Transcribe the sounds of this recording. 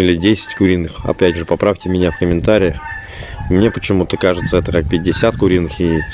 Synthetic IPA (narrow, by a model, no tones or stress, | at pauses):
ilʲɪdʲesʲɪ̥tʲkʊɾʲinːɨxɐ̰pʲætʲʐɨpɐpɾaftʲɪmʲɪnʲafkəmʲɪnt̪aɾʲɪə | mnʲe̞pət͡ɕɪmut̪əkaʐɨt̪səɛt̪əkak̚pʲɪt̚ʲdʲɪsʲat̪kʊɾʲinːɨxietʲ